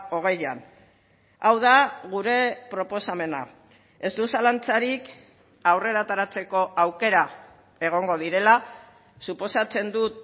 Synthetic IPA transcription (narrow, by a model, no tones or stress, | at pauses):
o̞ɣ̞e̞jan | awðaɣuɾe̞pɾo̞po̞same̞na̰ | e̞st̪usalant͡saɾik | awre̞ɾat̪aɾat͡se̞ko̞ʔawke̞ɾa | e̞ɣ̞o̞ŋɡo̞ð̞iɾe̞la | supo̞sat͡se̞nd̪ut̪